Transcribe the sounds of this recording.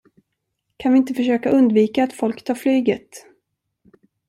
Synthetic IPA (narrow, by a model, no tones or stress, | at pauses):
kʰanvɪɪnt̪əfœʂøːkaʔɵnd̪viːkaːt̪fɔlkt̪ʰɑːɾflyːɡət̪